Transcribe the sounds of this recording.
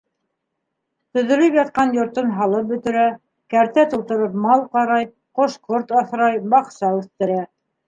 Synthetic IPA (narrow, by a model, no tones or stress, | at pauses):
t̪ɵ̆ðɵ̆lɘpjɑt̪̚qɑnjŏɾt̪ɤnɦɑlˠɤp̚bɵ̆t̪ɘ̆ɾæ | kæɾt̪æt̪ulˠt̪ɤ̆ɾɤpmɑlˠqɑɾɑj | qoʃqoɾt̪ɑθɾɑjbɑqsɑʉθt̪ɘ̆ɾæ